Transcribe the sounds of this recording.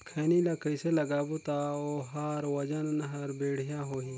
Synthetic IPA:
kʰeːnilɐkəjselɐɡaːbut̪aoːɦaːɾwɐd͡ʒɐnɦɐɾbeːɽijãɦoːɦĩː

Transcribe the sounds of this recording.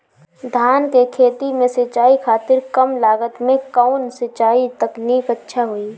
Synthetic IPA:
d̪ʱaːnkekʰeːt̪imẽsɪt͡ʃaːikʰaːt̪ɪɾkəmlaːɡət̪mẽkaʊnsɪt͡ʃaːit̪əkniːkətːʃʰaɦoi

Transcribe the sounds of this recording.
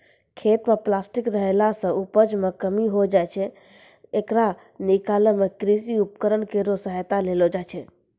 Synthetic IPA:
kʰet̪meplasʈikɾəɦelasə̃ʔupəd͡ʒmekəmiɦod͡ʒajt͡ʃʰɛ | ekɾa | nikaləmekɾisiupkəɾənkeɾosəɦət̪alelod͡ʒajt͡ʃʰɛ

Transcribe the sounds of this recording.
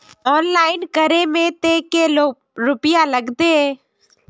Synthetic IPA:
ɔːnlaːɪnkəɾemẽt̪et̪eloː | ɾʊpɪjaləɡd̪eɦɛ̃ː

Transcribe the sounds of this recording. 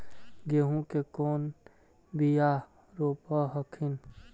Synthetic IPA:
ɡeɦũkekoːn | bija | ɾoːpəɦəkʰin

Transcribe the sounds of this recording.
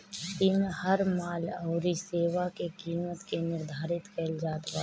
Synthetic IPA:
t̪ɪnhəɾmaːləʊɾiseːʋakekiːmət̪kenɪɾd̪ʱaːɾɪt̪kəld͡ʒaːt̪ɡa

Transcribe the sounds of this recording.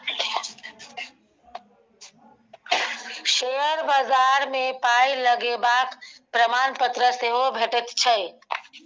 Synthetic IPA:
ʃeɦəɾbazaɾmepailəɡebakpɾəmanpət̪ɾəseɦobʱeʈət̪t͡ʃʰəj

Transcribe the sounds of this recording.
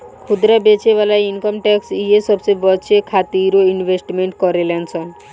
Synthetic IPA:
kʰud̪ɾabet͡ɕeβalajinkɔmʈɛksiesɔbsebɔt͡ɕʰekʰat̪iɾoinbʱesʈmeɳʈkɔɾelɛnt͡sʰɔn

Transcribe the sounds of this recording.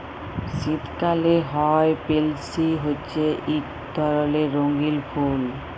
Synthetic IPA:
ʃit̪kaleɦɔepelsiɦotːɕʰeʔik | d̪ʱɔɾoleɾoŋɡilpʰul

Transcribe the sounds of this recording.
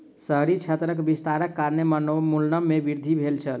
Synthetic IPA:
səɦɾit͡ʃʰet̪ɾəkbist̪aɾəkːaɾnemənomulnəmːebiɾd̪ʱibʱelt͡ʃʰəl

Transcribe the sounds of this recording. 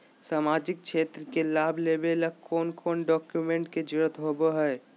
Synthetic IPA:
saːmaːd͡ʒɪk̚t͡ʃʰeːt̪ɾəkelaːbʱleːbeləkkːʰoːnkʰoːnɖɔːkjumẽɳʈked͡ʒɪɾət̪ɦoːboɦɛ

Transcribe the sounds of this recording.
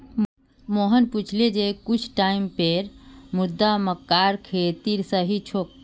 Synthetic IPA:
moɦənput͡ʃʰled͡ʒekut͡ʃʰʈaimpeɾmud̪ːaməkːaɾkʰet̪iɾsəɦit͡ʃʰok̚

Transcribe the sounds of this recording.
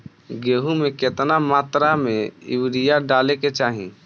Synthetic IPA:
ɡeɦumeket̪namaːt̪ɾameɪ̰wɽijaɖaleket͡ʃaːɦĩ

